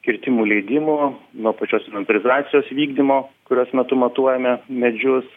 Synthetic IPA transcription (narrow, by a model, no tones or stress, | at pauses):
kʲɪɾʲt̪ʲɪmuːlʲɛɪd̪ʲɪmuːnuɔpɐt͡ʃʲoːsɪnʲɐnʲt̪ʲɪlʲɪzɾɑːt̪sʲɪjoːsʋʲiːɡd̪ʲɪmoːkʊɾʲoːsmʲɛt̪ʊmɐt̪uɔjɛmʲɛmʲɛd͡ʒʲʊs